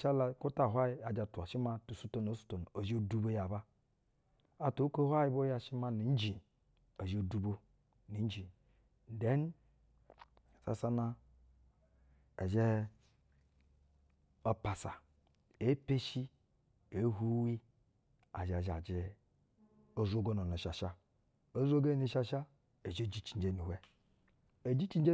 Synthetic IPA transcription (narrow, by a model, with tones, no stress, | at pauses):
t͡ʃa˦la˨ku˦ta˦˨ɦʷa˦ji˦a˨d͡ʒa˨tu˨a˨ʃi˦ma˦tu˨su˦to˦no˨˦su̥˦to˨n˨o˨zi˦o˦du˦bo˦ja˨ba˦ | a˨to˨˦ko˦ha˦ji˦bo˦ja˦ʃi˦ma˦ni˨n̩˦d͡ʒi˨ | o˨d͡ʒo˨du˨bo˦ | ni˨n˦d͡ʒi˨ | de˦n˦˨ | sa̰˨sa˦na˦ | e˨d͡ʒe˦ | o˦pa˨sa˨ | e˦pe˦ʃi˦ | e˨˦ɦu˦wi˦ | a̰˨d͡ʒa˨d͡ʒa̰˨d͡ʒi˨ | o˦zo˦ɡo˦no˨n˨e˨ʃa˨ʃa˦ | o˦zo˦ɡe˦ni˨ʃa˦ʃa˦ | e˨d͡ʒe˦˨d͡ʒi˦t͡ʃi˨n˦d͡ʒe˦ni˨ɦʷe˦ | e˨d͡ʒi˦t͡ʃi˦n˦e˦